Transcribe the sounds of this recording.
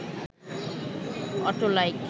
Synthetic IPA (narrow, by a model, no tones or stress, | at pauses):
ɔ̰ʈolajk